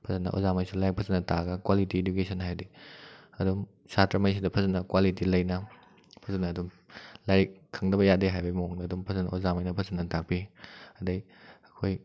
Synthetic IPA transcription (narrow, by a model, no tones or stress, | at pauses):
pʰɐzɐnːɐ̰ʔo̰zamɐjsulajk̚pʰɐzɐnɐtaɡɐkwalitiedukesɐnɦajdiɐdum | satɾɐmɐjsidɐpʰɐzɐnːɐkwalitilɐjnɐ | pʰɐzɐnɐːdum | lajɾikʰːɐŋdɐbɐjadeɦajbɐimɐoŋdɐːdumpʰɐzɐnɐozamɐjnɐpʰɐznɐtak̚piɐdɐj | ɐkʰoj